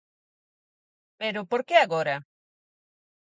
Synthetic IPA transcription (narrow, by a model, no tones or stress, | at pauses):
peɾʊpoɾkeaɣoɾɐ